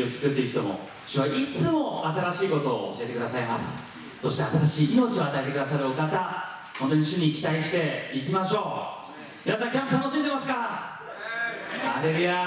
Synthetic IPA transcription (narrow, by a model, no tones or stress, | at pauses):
o̞kʲi̥kɯ̟t̪ːeiɯ̟çi̥t̪o̞mo̞̰ | ɕɨβaʔit͡sɨmo̞at̪aɾaɕiːko̞t̪o̞ːo̰ɕie̞t̪ek̟d̪asaimasɨ̥ | so̞ɕi̥t̪e̞at̪at̪aɕiːno̞t͡ɕio̞at̪ae̞t̪ekɯd̪asaɾɯ̟o̞kat̪a | ho̞nt̪o̞ɲ̟iɕɨɲ̟iːkʲi̥t̪aiɕi̥t̪e̞ik̬ʲimaɕo̞ː | minasãŋkʲeamot̪ʰano̞ɕĩnd̪e̞masɨ̥ka | aɾeɾɯja